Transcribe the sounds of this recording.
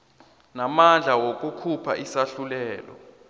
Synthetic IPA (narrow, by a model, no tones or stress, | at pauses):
namand͡ɮʱawok̬ʼukʰupʰa̰ʔisaɬulɛːlɔ̰